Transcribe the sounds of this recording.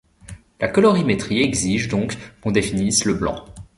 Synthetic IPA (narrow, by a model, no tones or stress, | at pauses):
lʔakɔlɔʁimet̪χiɛɡziʒd̪ɔ̃kːɔ̃d̪efinisləblɑ̰̃